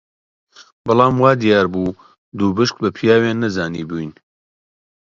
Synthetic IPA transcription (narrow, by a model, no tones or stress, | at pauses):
bɑlˠɑːmwaːd̪ijaːɾbuː | d̪uːbɨʃk̚bɐpʰijaːweːnːɐzaːniːbuːjn